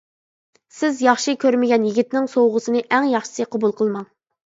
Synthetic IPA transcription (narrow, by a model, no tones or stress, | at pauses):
sɪzjɑχʃikʲʰøɾmɪɡʲɛnjiɡʲit̪nɪŋsowʁəsɨnɨʔɛŋjɑχʃɨ̥sɨqʰɑbulˠqʰəlˠmɑŋ